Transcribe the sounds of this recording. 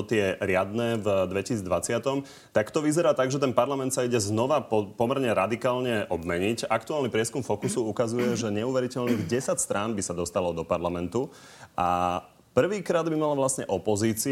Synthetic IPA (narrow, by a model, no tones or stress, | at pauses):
ɔt̪ɪɛɾɪad̪nɛːvd̪ʋɛcisid͡zd̪ʋat͡sɪat̪ɔm | t̪akt̪ɔʋizɛɾaːt̪aɡʒɛt̪ɛnpaɾlamɛnt̪saiɟɛznɔʋaɔpɔmɛɾɲɛɾad̪ikaːlɲɛʔɔbmɛɲicakt̪uaːlnipɾɪɛskumfɔkusuukazujɛʒɛɲɛuʋɛɾicɛlniːɣɟɛsacst̪ɾaːnbisad̪ɔst̪alɔd̪ɔpaɾlamɛnt̪u | ʔa | pr̩ʋiːkɾaːd̪bimalaʋlasɲɛʔɔpɔziːt͡si